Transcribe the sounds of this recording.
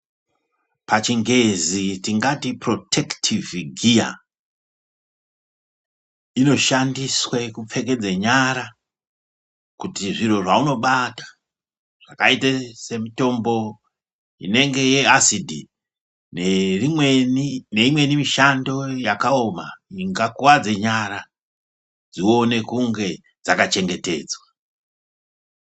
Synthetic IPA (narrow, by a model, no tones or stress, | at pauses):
pat͡ʃiŋɡe̞zitiŋɡatipro̞tʰe̞ktʰivɡʱija̰ | ino̞ʃandiswekup͡fe̞k̬e̞d͡zeɲaɾa | kutiʐiro̞ʐauno̞ɓatḁ | ʐ̥akaitese̞mito̞mbo̞ | ḭne̞ŋɡe̞je̞asidʱi | neienine̞imwe̞nimiʃando̞jakao̞maiŋɡakuwad͡ze̞ɲaɾa | d͡zio̞ne̞kuŋɡe̞ | d͡zakat͡ʃe̞ŋɡe̞te̞̰ːd͡zwa